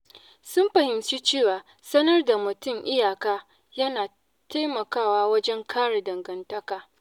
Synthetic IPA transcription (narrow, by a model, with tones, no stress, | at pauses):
sʊ˦mɸɐ˨hɪ˨mt͡ʃi˦t͡ʃeː˦˨waː˨ | sɐ˦nɐ˦rda˨mʊ˨tʊ˦mʔɪ˦jaː˨kaː˦ | jɐ˦naː˨ | ta˦jmɐ˨kaː˦˨waː˦wɐ˦d͡ʒɛ˦ŋkʰaː˦ɽe˨dɐ˨ŋɡɐ˨ntɐ˦kaː˨